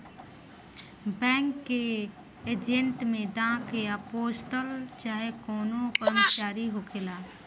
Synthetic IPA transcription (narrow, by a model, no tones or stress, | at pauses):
bɛ̃ːŋkːe | eːd͡ʒẽɳʈmẽɖãːkejapoːsʈəlt͡ʃaːɦekɔːnõkəɾmət͡ʃaːɾiɦokʰelaː